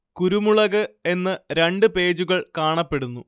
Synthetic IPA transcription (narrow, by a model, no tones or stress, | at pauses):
kuɾumuɭɐɣɨe̞nːɨɾeɳɖɨpe̞ːd͡ʑuɣɐɭkaːɳɐpːe̞ɽunːu